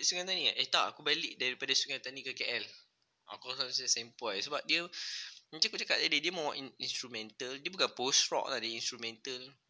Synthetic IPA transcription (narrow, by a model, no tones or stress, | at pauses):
suŋãnt̪aniʔet̪aʔakubaliʔdaɾipadasuŋãnt̪anikəkeʔɛl | a̰kɔsassempɔjsəbap̚diəmət͡ʃãakut͡ʃakaʔ̚adidiəmɔ̃waʔinst̪ɾumɛ̃nt̪əldiəbukanposɾɔ̰k̚lahdiəinst̪ɾumɛ̃nt̪əl